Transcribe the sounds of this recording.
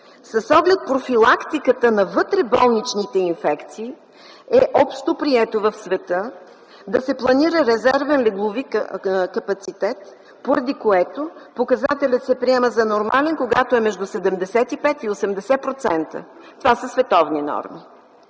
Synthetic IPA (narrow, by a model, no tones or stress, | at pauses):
sɐsɔɡlɛt̪̚pɾofilˠakt̪ikət̪ənɐvɤt̪ɾɛbɔlˠnit͡ʃnit̪ɛinfɛkt̪siː | ɛʔɔpʃt̪opɾiɛt̪ovəfsvɛt̪ɤ | d̪ɐsɛplˠɐniɾəɾɛzɛɾvɛnlɛɡlˠʊvikɐpɐt̪sit̪ɛt̪ | poɾɐd̪ikoɛt̪opokɐzat̪ɛlʲət̪sɛpɾiɛməzɐnoɾmalɛnkoɡat̪oɛmɛʒd̪usɛd̪ɛmd̪ɛsɛt̪ipɛt̪iosɛmd̪ɛsɛpɾot̪sɛnt̪ə̰t̪ovasəsvɛt̪ɔvninɔ̰ɾmi